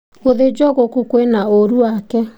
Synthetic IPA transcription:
oðed͡ʒɔɣokukwenaoɾuwakɛ

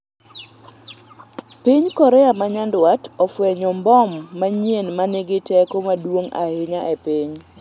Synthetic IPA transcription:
piɲkɔɾɛjamaɲandwatɔfwɛɲɔmbɔmːaɲjenmanɪɡɪtɛkomadwoŋa̰hɪɲaʔɛpɪɲ

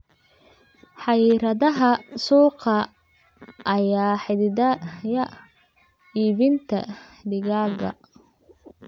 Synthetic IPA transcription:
ħɑjiɾɐðɐɦɐsuːqʰɐ | ʔːjaːħɪdɪdɐjɐ | iːβɪnt̪ʰɐ̰d̪ɪɣaːɡɐ̰

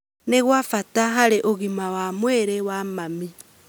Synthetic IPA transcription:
neɣwafataɦaɾeʔoɣimawamweɾewamami

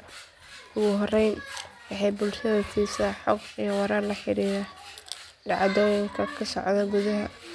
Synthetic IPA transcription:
ʊɣʊɦɔrɛjnwɑħɑjbʊlʃɐðɐfiːsaħɔɡijɔwɑɾaːrlɐħɪɾiːɾa | ɖɑʕɑd̪ɔːjɪŋkʰɐkʰɐsɔ̰ʕðɐɡʊðɐɦɐ

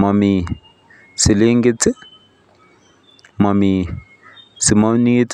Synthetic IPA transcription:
mami | sileŋɡet͡si | mami | simanit͡s

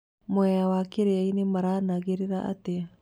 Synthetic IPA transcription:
mwɛawakeɾeainemaɾaːnaɣeɾeɾaʔa̰te

